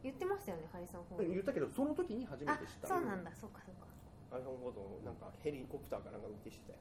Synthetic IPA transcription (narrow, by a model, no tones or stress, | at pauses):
jɯt̪ːe̞maɕt̪ajone̞haɾʲisõŋ̃hojɯ̟t̪ːake̞d̪oso̞not̪o̞kʲiɲ̟iɦaʑimat̪e̞ɕi̥t̪ːa̰so̞ːnãnd̪aso̞kːḁsoːkːḁ | haɾisõŋɦoːd̪õ̰nãŋka̰heɾʲikopɯ̟t̪aːkaɾaɡaɯt̪ːeɕi̥t̪ḛ